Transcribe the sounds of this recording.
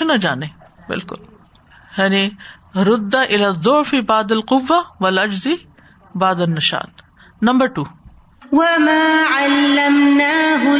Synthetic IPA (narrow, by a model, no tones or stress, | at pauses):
ʊnad͡ʒaːne | bɪ̰lkʊ̰l | jaːniɾʊd̪ːaʔɪlaːðˤːʊʕfibaːd̪ɐlqʊʋːaʋɐlɐd͡ʒzi | baːd̪ɐnːɐʃa̰ːt̪̚ | nɐmbɐɾʈuː | wamaːʕalːamnaːɦʊ